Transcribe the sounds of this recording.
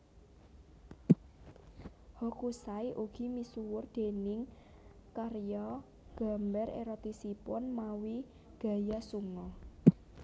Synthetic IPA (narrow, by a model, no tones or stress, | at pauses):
hɔkusajʔuɡ̥i̤misuwʊrd̪̥e̤nɪŋ | karjɔ | ɡ̥a̤mbɛɾḛɾɔt̪isipʊnmawi | ɡ̥a̤jasuŋɔ